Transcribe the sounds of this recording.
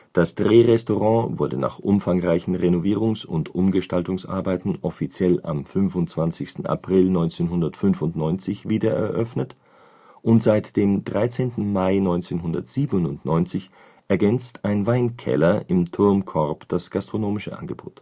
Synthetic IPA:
d̥asd̥ʁeːʁɛstoʁɑ̃ːvʊɐdəna̰ːχʔʊmfaŋʁaɪçn̩ʁenoviːʁ̞ʊŋsʊ̰ntʔʊmɡəʃtaltʊŋsʔa̰ɐbaɪtn̩ʔɔfit͡sjɛla̰mfʏnvʊntt͡sv̥ant͡sɪçstn̩a̰pʁ̥ɪlnɔʏ̃nt͡seːnɦʊndɐtfʏnvʊntnɔʏnt͡sɪçviːdɐʔɛ̰ɐʔœfnət | ʔʊntz̥aɪtd̥eːmdʁaɪt͡seːntn̩maɪnɔʏnt͡seːnɦʊndɐ̰tz̥iːbnʊnʊntnɔʏnt͡sɪç | ʔɛɐɡɛnt͡staɪnvaɪnkʰɛ̰lɐʔɪmtʰʊɐmkʰɔʁpd̥asɡ̥astʁ̥onoːmɪʃəʔa̰nɡəbo̰ːt

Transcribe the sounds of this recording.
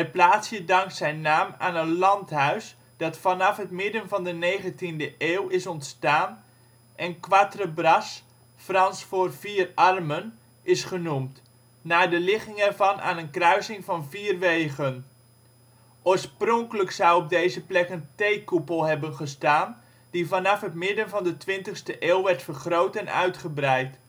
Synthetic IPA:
dəplaːtsjədɑŋk̚tsɛjnːaːma̰ːnənlɑntɦœɥs | d̥ɑtfɑnɑfɦətmɪdənvɑndəneːχəntindəʔeːwɪsɔntstaːn | ʔɛnkʋatrəbrɑs | frɑnsfoːrviːrɑrmən | ʔɪsχənumtː | aːdəlɪχɪŋɛrvɑnʔa̰ːnənkrœɥsɪŋvɑnviːrʋejɣən | ʔoːɹsproŋkələksɔwɔb̚dejzəplɛkəntejkupəlˠɦɛbənχəstaːn | divɑnɑfɦətmɪdənvɑndətʋɪntəχstəʔeːlˠʋɛrtfərχrowtɛnœ̰ɥtχəbrɛjt

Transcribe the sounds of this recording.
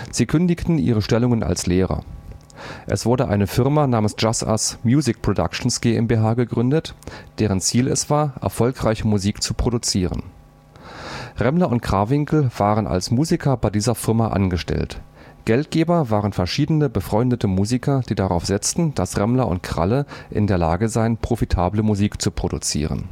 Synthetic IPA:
z̥iːkʰʏndɪçtn̩ʔḭːʁ̞əʃtɛlʊŋənʔa̰lsleːʁɐ̰ | ʔɛ̰sv̥ʊɐdəʔa̰ɪnəfɪɐmanaːmən̩sd͡ʒ̥asa̰smjuːzɪk̚pʁ̥oda̰kʃn̩sɡ̥eːʔɛmbeɦaːɡəɡʁʏndətd̥eːʁ̞ənt͡siːlɛ̰sv̥aːɐʔɛ̰ɐfɔlkʁ̥aɪçəmuziːkt͡supʁ̥odut͡siːʁə̰n | ʁɛmlɐʔʊntkʁ̥aːvɪŋkl̩v̥aːʁənʔa̰lsmuːzikʰɐbaɪdiːzɐfɪɐmaʔa̰nɡəʃtɛ̰lt | ɡ̥ɛlt̚ɡ̥eːbɐvaːʁənfɛɐʃiːdənəbəfʁ̥ɔʏndətʰəmuːzikʰɐd̥iːdaʁaʊfz̥ɪt͡stn̩d̥asʁɛmlɐʔʊ̰nt̚kʁ̥a̰ləʔɪ̰ndeːɐla̰ːɡəzaɪənpʁ̥ofitʰaːbləmuziːkt͡supʁ̥odṵt͡sḭːʁə̰n

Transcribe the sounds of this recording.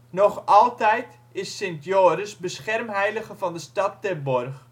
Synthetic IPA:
nɔχɑlˠtɛjt | ɪsːɪntjoːɾəsbəsχɛrmɦɛjləχəvɑndəstɑt̚ːɛrbɔrχ

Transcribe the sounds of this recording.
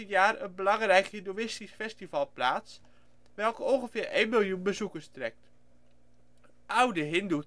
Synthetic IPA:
ənjaːrənbəlɑŋrɛjkhindowɪstisfɛstivɑlˠplaːts | ʋɛlˠkəɔŋχəfɪːɾejnmɪlˠjunbəzukərstrɛk̚t | ʔawdəɦɪndu

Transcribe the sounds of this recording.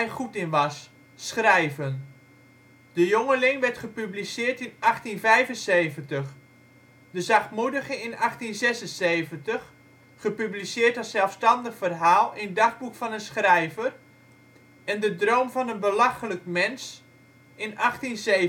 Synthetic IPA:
jχutɪnʋɑs | sχrɛjvən | dəjoŋəlɪŋʋɛɹtχəpyblisɪːɹtɪnɑχtinvɛjvənsejvəntəχ | dəzɑχtmudəχəɪnɑχtinzɛsənsejvəntəχ | χəpyblisɪːɹtɑsɛlˠfstɑndəχfərɦaːlˠɪndɑχbukfɑnənsχrɛjvər | ɛndədrowmvɑnənbəlɑχələkmɛns | ɪnʔɑχtinse

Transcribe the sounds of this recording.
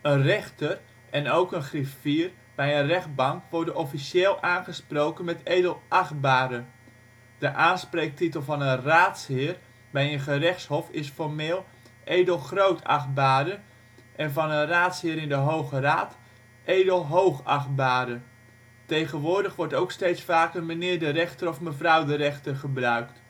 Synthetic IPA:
ənrɛχtər | ɛnowkənχrɪffiːr | bɛjənrɛχd̚bɑŋkʋɔɹdənɔfiseːlˠʔaːnχəsprowkənmɛtejdəlˠʔɑχbaːdə | d̥əʔaːnspreːk̚titəlˠvɑnənraːtshɪːr | bɛjənχərɛχtshɔfɪsfɔrmeːlˠ | ʔejdəlˠχrowtʰɑ̰χbaːdə | ʔɛnvɑnənraːtshɪːəɾɪndəɦowχəraːt | ʔejdəlˠɦowχɑ̰χbaːdə | tejχənʋʊːɹdəχʋɔɹtowkstejtsfaːkənmənɪːɹdərɛχtərɔfməvrʌwdərɛχtərχəbrœɥkt

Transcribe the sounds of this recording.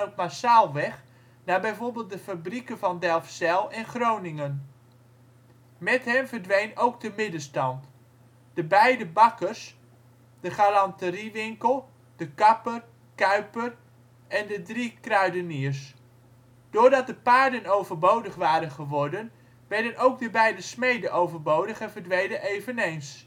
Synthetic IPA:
ɔt̚masaːlˠʋɛχ | nabɛjvoːɹbɪːlˠt̚dəfabrikəvɑndɛlˠfsɛlˠɛnχrownɪŋən | mɛtɦɛmvərdʋejnowk̚dəmɪdəstɑnt | d̥əbɛjdəbɑkərs | d̥əχalɑntəriʋɪŋkəlˠ | d̥əkɑpər | kœɥpər | ɛndədrikrœɥdənirs | d̥ʊːɹdɑt̚dəpaːɹdənowvəɹbowdəχʋaːɾənχəʋɔɹdən | ʋɛɹdənʔowɡ̚dəbɛjdəsmejdəʔowvəɹbowdəχɛnvəɹdʋejdənʔejvənejns

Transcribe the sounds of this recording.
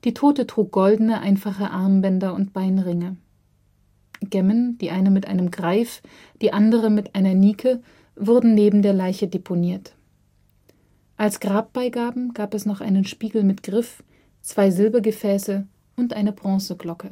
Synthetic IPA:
d̥iːtʰoːtətʁ̥uːk̚ɡ̥ɔldn̩əʔa̰ɪnfaχəʔaɐmbɛndɐʊnt̚b̥aɪnʁɪŋə | ɡ̥ɛmənd̥iːʔaɪnəmɪtʔa̰ɪnəmɡʁaɪf | d̥iːʔandəʁəmɪtʔaɪnɐniːkʰə | vʊɐdn̩neːbm̩deːɐlaɪçədepʰoniːɐt | ʔalsɡ̥ʁaːp̚b̥aɪɡaːbm̩ɡ̥aːpɛsnɔχʔa̰ɪnənʃpiːɡl̩mɪtɡ̥ʁɪf | t͡sv̥aɪzɪlbɐɡəfɛːsə | ʔʊntʔaɪnəbʁɔ̃səɡlɔkə

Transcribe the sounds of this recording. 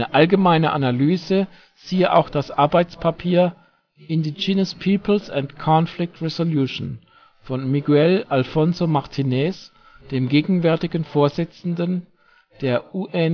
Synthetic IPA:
nəʔalɡəmaɪnəʔanalyːzə | z̥iːəʔa̰ʊxd̥asʔaɐbaɪt͡spʰapʰiːɐ | ʔɪndid͡ʒiːnəspʰiːpl̩sɛntkʰɔnflɪk̚tʁɛzoljuʃn | fɔnmiɡuɛlalfɔnzomaʁtʰinɛs | d̥eːmɡeːɡŋ̩vɛɐtɪɡən̩foːɐzɪt͡sn̩dən | d̥eːɐuʔɛ

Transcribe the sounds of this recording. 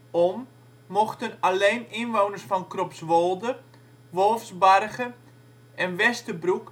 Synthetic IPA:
omː | oxtənaleːnɪnʋownərsfɔnkropsʋolˠdə | ʋolˠfsbarɣə | ɛnʋɛstəbruk

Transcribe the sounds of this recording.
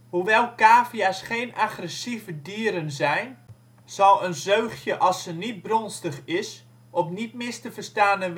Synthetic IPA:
huʋɛlˠkaːfijasχeːnʔaxrɛsivədiəɾənzɛjn | z̥ɑlˠənzøːxjəʔɑsənit̚brɔnstəχɪs | ɔpnitmɪstəfərstaːnə

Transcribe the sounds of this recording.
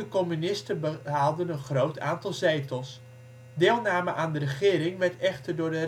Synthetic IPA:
əkɔmynɪstəbəɦaːlˠdənənχrowtʰa̰ːntɑlˠzejtəlˠs | dɪːlˠnaːməʔaːndərəχɪːɾɪŋʋɛɹtɛχtərdʊːɹdə

